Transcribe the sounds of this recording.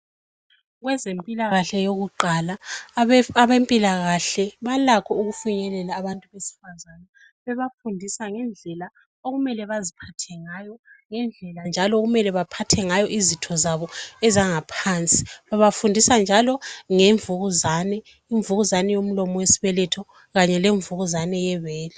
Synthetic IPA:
ɣwɛzempʼilaɣaɬɛjoɣuǃala | aβempʼilaɣaɬɛβalakʰɔuɣufuɲɛlɛlaːβantʼuβesi̥fazana | βɛβafundʱisaŋɛnd͡ɮʱɛla | oɣumɛlɛβazipʰatʰɛŋajɔŋɛnd͡ɮʱɛland͡ʒʱalɔɣumɛlɛβapʰatʰɛŋajɔʔizitʰɔzaβɔɛzaŋapʰant͡sʼi̥βaβafundʱisand͡ʒʱalɔŋeɱvuɣuzanɛ | iɱvuɣuzanɛjom̩lɔmɔwesiβɛlɛtʰɔ | ɣaɲɛleɱvuɣuzanɛjɛβɛːlɛ

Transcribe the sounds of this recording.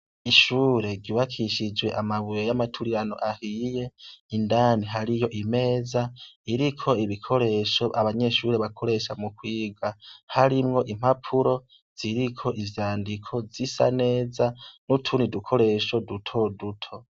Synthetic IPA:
iʃuːɾe̞ɡiβakʰiʃid͡ʒwe̞ʔamaβujojamatʰuɾiɾano̞̰ʔahije̞indaːniɦaɾijo̞ʔime̞ːzaiɾikʰo̞iβikʰo̞ɾe̞ʃo̞ʔaβaɲe̞ʃuːɾe̞βakʰo̞ɾe̞ʃamukwiːɡahaɾimŋo̞ʔim̥hapʰuɾo̞ | z̥iɾikʰo̞ʔivjaːndikʰo̞zisa̰ne̞ːzanutʰunidukʰo̞ɾe̞ʃo̞dutʰo̞dutʰo̞

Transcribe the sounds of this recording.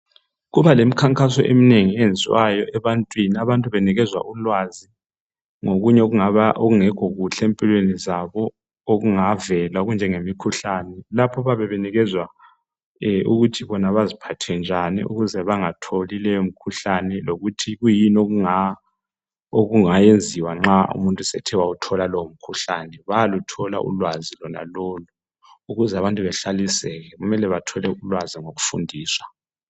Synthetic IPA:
ɣuβalemikʰaŋkʼasɔ̰ʔḛmineŋiend͡zʱwajɔʔɛβantʼwiniaβantʼuβɛniɣɛzwa̰ʔulwazi | ŋoɣuɲɛoɣuŋaβaʔoɣuŋɛɡ̥ʱoɣuɬempʼilwenizaβɔ | oɣuŋavɛlaoɣund͡ʒʱɛŋemikʰuɬanɛlapʰɔβaβɛβɛniɣɛzwa | uɣutʰiβɔnaβazipʰatʰɛnd͡ʒʱanḭṵɣuzɛβaŋatʰolilɛjomikʰuɬanɛloɣutʰiɣujinoɣuŋa | oɣuŋajend͡zʱiwaŋ͡ǁaṵmuntʼusɛ̰tʰɛwautʰɔlalowom̩kʰuɬanɛβajalutʰɔla̰ʔṵlwazilɔna̰loːlu | uɣuzɛaβantʼuβɛɬalisɛɣɛɣumɛlɛβatʰɔlɛulwaziŋoɣufundʱiːswḁ

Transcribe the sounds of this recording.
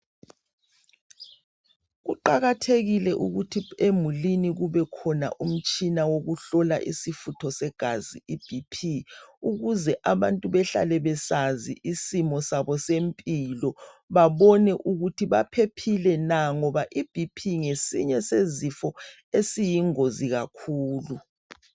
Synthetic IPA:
ɣuǃaɣatʰeɣilɛʔuɣutʰiemuliniɣuβɛkʰɔna̰ʔum̩t͡ʃʼinawoɣuɬɔla̰ʔisifutʰɔsɛɡ̥ʱaziib̥ʱipʰiuɣuzɛʔaβantʼuβɛɬa̰lɛβɛsaziʔisimɔsaβɔsempʼilɔ | βaβɔnɛʔuɣutʰiβapʰepʰilɛnaŋɔβaʔib̥ʱipʰiŋesḭɲɛsezifɔ | esijiŋoziɣa̰kʰuːlu

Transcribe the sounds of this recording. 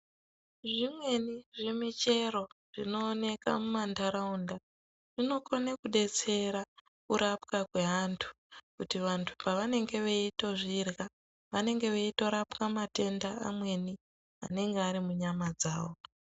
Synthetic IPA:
ʐimwe̞niʐemit͡ʃe̞ɾo̞ʐ̥ino̞ːne̞ka̰mumandaɾaunda | ʐino̞konakuɗe̞t͡se̞ɾa | kuɾʔapkakwe̞ɦantʰu̥ | kutiʋantʰu̥paʋane̞ŋɡe̞ʋeito̞ʐirɣa | ʋane̞ŋɡe̞ʋeito̞ɾapkamate̞ndaa̰mwe̞ni | a̰ne̞ŋɡeaɾimuɲamad͡zaːwo̞

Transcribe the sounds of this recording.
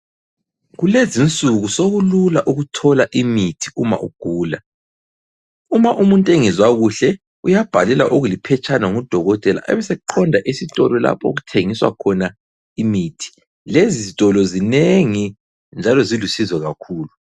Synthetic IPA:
ɣulezint͡sʼuɣusoɣululaʔuɣutʰɔlaʔimitʰi̥uma̰ʔṵɡ̥ʱuːla | umaʔumuntʼeŋizwaɣuɬɛ | ujab̥ʱalɛla̰ʔoɣulipʰɛt͡ʃʼʰanaŋud̥ʱɔɣɔtʼɛla̰ʔɛ̰βɛsɛuǃʰɔndʱaʔisitʼɔlɔla̰pʰo̰ɣutʰeŋiswa̰kʰɔna | imitʰi̥ | leziztʼɔlɔzineŋi | nd͡ʒʱalɔzilusizwɛɣakʰuːlu

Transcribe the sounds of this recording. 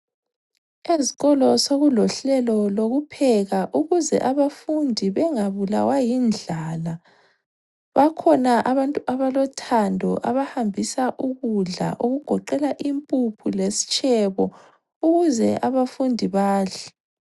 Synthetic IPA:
ezi̥ɣɔlɔsoɣulɔɬɛlɔloɣupʰɛɣaʔuɣuzɛ̰ʔaβafundʱiβɛŋaβula̰wajind͡ɮʱala | βakʰɔnaʔaβantʼuʔaβalɔtʰandʱɔ̰ʔaβahambʱisaʔuɣuɮa̰ʔuɣuɡ̥ʱɔǃɛlaʔimpʼupʰulesi̥t͡ʃʼʰɛβɔ | uɣuzɛʔaβafundʱiβaːɬɛ̥

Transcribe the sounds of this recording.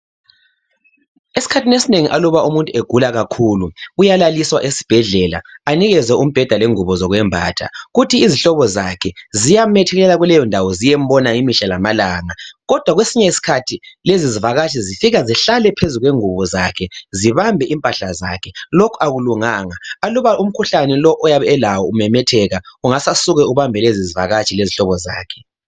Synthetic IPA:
esi̥kʰatʰinesineŋiʔalɔβaʔumuntʼueɡ̥ʱulaɣakʰuluujalaliswa̰ʔesi̥b̥ʱɛɮɛla̰aniɣɛzɛʔum̩b̥ʱɛd̥ʱaleŋuβɔzɔɣwɛmbʱa̰ːtʰa̰ɣutʰiːziɬɔβɔzakʰɛzijamɛtʰɛɣɛlɛlaɣulɛjɔndʱawɔzijɛm̩bɔnaimiʃalamalaːŋaɣɔd̥ʱwaɣwesiɲɛisi̥kʰatʰilezizivaɣat͡ʃʰʼizifiɣaziɬalɛpʰezuɣweŋuβɔzakʰɛziβambʱɛʔimpʼaɬaza̰kʰɛlokʰuaɣuluŋaːŋaaluβaʔum̩kʰuɬanɛlɔʔɔjaβɛɛlawɔumɛmɛtʰɛɣauŋasasuɣɛuβambʱɛleziziva̰ɣat͡ʃʰʼileziɬɔβɔza̰ːkʰɛ̥

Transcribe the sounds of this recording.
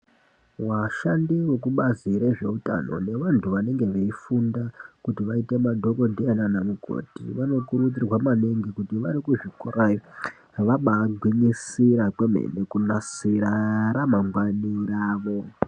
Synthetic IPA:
waʃandiwe̞k̬uɓaziɾe̞ʐe̞uta̰no̞̰ne̞ʋantʰuʋane̞ŋɡe̞ʋeifundakutiʋaite̞madʱo̞ko̞ndienanamukʰo̰tḭʋano̞kuɾut͡sirwamaneŋɡikutiʋaɾikuʐikorajo | ʋaɓaːɡʱwiɲisiɾakwe̞m̤ḛnekunasiɾaɾamaŋɡwaniɾaːʋo̞

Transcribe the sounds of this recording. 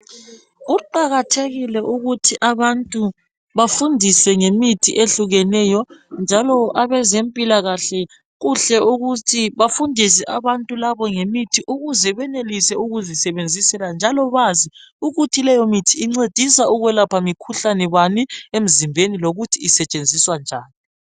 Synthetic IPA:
ɣuǃaɣatʰeɣilɛʔuɣutʰiʔaβantʼu | βafundʱisɛŋemitʰḭʔeɬuɣɛnɛjɔnd͡ʒʱalɔʔaβɛzempʼilaɣaɬɛ | ɣuɬɛʔuɣutʰiβafundʱis̬ɛʔaβantʼulaβɔŋemitʰiʔuɣuzɛβɛnelisɛuɣuzisɛβend͡zʱisɛland͡ʒʱalɔβaziuɣutʰilɛjɔmitʰiːŋ͡ǀed̥ʱisaʔuɣwɛlapʰamikʰuɬanɛβaniem̩zimbʱeniloɣutʰiːsɛt͡ʃʼend͡zʱiswand͡ʒʱaːni

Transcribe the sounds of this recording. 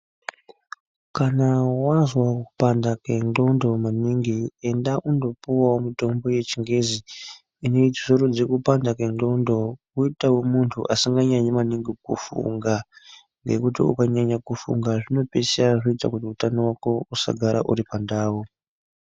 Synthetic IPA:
kanawazwakupandake̞nɡo̞ndo̞maniŋɡie̞ndaʔundo̞puwawomito̞mbo̞je̞t͡ʃiŋɡe̞zi | ino̞itisoɾod͡zekupandakeŋɡo̞ndo̞ | uitawomuntʰṵʔasiŋɡaɲaɲemaniŋɡikufṵŋɡa | ŋɡe̞̰kutḭṵkaɲaɲakufṵŋɡaʐino̞pe̞seaʐoitakutiutanowako̞usa̰ɡʱaɾa̰ʔṵɾipandaːwo

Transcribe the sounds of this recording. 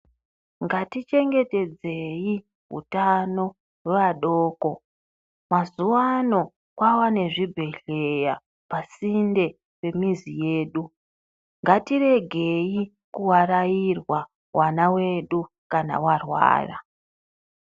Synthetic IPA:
ŋɡatit͡ʃe̞ŋɡe̞te̞d͡ze̞ji | ɦṵtano̞ | weʋaɗoːko | mazuwano̞ | kwawane̞ʐibʱe̞ɬe̞ja | pasinde̞ | pe̞mizije̞ːɗu | ŋɡatire̞ɡʱe̞ji | kuwarajirwa | wʔanawe̞ɗu | kana̰warwa̰ːra̰

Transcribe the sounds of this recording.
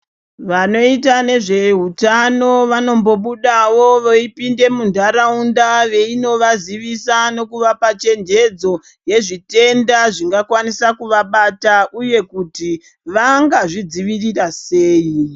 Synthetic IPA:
ʋano̞itane̞ʐe̞ɦutano̞ʋano̞mbo̞ɓuɗawo̞ʋoipinde̞mundʱaɾaundaʋe̞ino̞ʋaziʋisano̞kuʋapat͡ʃe̞nd͡ʒe̞d͡zo̞ | je̞ʐite̞ndaʐiŋɡakwanisakuʋaɓataʔuje̞kuti | ʋaŋɡaʐid͡ziʋirirase̞ːi

